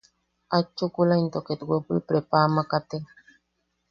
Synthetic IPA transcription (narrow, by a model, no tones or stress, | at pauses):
at͡ʃukulaint̪ɔketɡepulpɾɛpaːmakate